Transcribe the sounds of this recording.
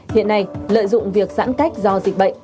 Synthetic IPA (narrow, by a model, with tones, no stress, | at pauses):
hḭ˧˨ənːa˧jlə̰ː˧˨jzʊ̰˧˨ŋ͡mvi˨˩ək̚za̰ː˧˥nka˦˥jk̟̚zɔ˧zï˨˩k̟̚ɓə̰˧˨jŋ